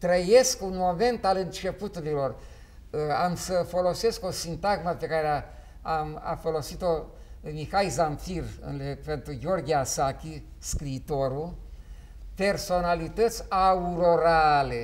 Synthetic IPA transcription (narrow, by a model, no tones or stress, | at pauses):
t̪ɾəje̞skunmo̞me̞nt̪alɨnt͡ʃe̞put̪uɾilo̞r | amsəfo̞lo̞se̞sko̞sint̪aɡməpe̞kaɾea | ama̰fo̞lo̞sit̪o̞ | mixajzamfirɨ̰nlepe̞nt̪ɾuɡʲo̞rɡʲiasakʲi | skɾiːt̪o̞ɾu | pe̞rso̞nalit̪ət̪sʲauɾo̞ɾale̞